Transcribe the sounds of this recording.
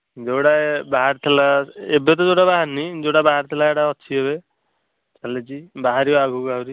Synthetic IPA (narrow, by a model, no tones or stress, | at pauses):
d͡ʒewɽabaɦaɾt̪ʰelaebet̪̬ɔewɽabaɦaɾnid͡ʒewɽabaɦaɾt̪ʰelaeʈaɔt͡ʃʰiɦeβe | t͡ʃalet͡ʃibaɦaɾiɔaɡʱuɡaɦwɾi